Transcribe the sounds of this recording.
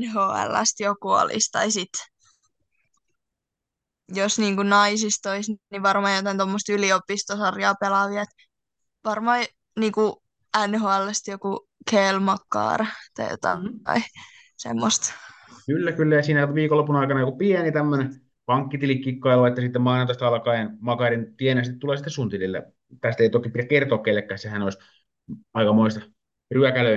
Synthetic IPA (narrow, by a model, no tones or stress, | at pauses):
nɦoːæ̰lːæ̰st̪jokuo̰lḭst̪ɑisit̪ | josniːŋkunɑisist̪oisnniʋɑrmɑːjot̪ɑˑint̪omːost̪yliopːˑist̪osɑrjɑːpelɑʋiɑet̪ | ʋɑrmɑː | niːŋku | ænhoːælːæst̪joku | kʰelmɑkːɑ̰ːrt̪ɑ̰jo̰t̪ɑ̰ɑ̰i | sḛmːost̪ | kylːækylːæjɑsiːnæʋiːkolːopːˑunɑikɑnɑjokupiɛnit̪æmːøne | pɑŋkːit̪ilikkːikːɑilʋɑit̪ːɑsit̪ːemmɑinont̪ɑst̪ɑlɑkɑːjenmɑkɑːɾint̪ienæsit̪it̪uleːsit̪ːesunt̪ililːḛ | t̪æst̪eit̪okipitækert̪oːkkelːekːæːsehænoˑis | ɑikɑmoist̪ɑ | ryækælø